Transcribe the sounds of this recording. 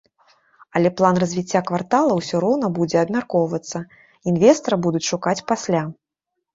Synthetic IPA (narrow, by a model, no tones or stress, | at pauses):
ɐlʲɛplˠanrɐzʲvʲit͡sʲːakvart̪alˠɐwsʲɔɾɔwn̪ɐbud͡zʲɛɐbmʲarkɔwvɐt̪sːɐ | invʲɛst̪ɐɾɐbud̪ut͡sʲʂukat͡sʲpasʲlʲa